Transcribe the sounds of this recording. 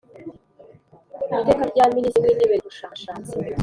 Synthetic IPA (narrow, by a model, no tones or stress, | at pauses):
mitekaɟaminiswiniβeɡuʃaːaʃaːt͡se